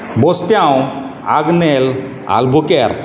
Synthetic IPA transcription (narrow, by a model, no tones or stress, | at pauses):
bɔst̪jaw | aɡnel | a̰lbukeɾ